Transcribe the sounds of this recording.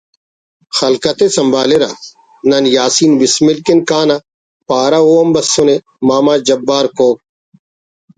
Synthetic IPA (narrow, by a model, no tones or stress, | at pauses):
xɐlkɐt̪esɐmbaːleɾa̰ː | nɐnjaːsiːnʋɪsmɪlkɪnkaːnɐ | paːɾaoːɐmbɐsːʊne | maːmaːd͡ʒɐbːaːɾkoːk̚